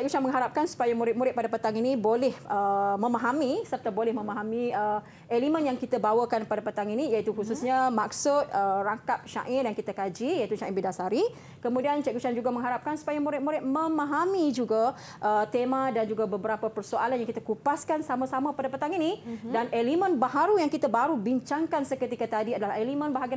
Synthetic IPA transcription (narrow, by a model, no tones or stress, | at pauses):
t͡ʃaʔɡuʃanmə̃ŋɦaɾap̚kansu̥pajamuɾɪt̪̚muɾɪt̪̚padapət̪aŋinibolɛhəmə̃mãɦamisərt̪abolɛhmə̃mãɦamĩə | elimə̃njaŋkit̪abawəkanpadapət̪aŋinĩjait̪uhususɲamaksʊt̪̚əraŋkap̚ʃa̰ʔɪnjaŋkit̪akad͡ʒijait̪uʃaɪnbidasaɾi | kəmũdiant͡ʃɛkut͡ʃand͡ʒuɡamə̃ŋɦaɾap̚kansu̥pajamuɾɪt̪̚muɾɪt̪̚məmãɦamid͡ʒuɡa | ʔət̪emãdand͡ʒuɡabəbəɾapapərsoalanjaŋkit̪akupaskansamãsamãpadapət̪aŋinidanʔelimə̃nbaɦaɾujaŋkit̪abaɾubiɲt͡ʃaŋkansəkət̪ikat̪adiadalahelimə̃nbaɦaɡia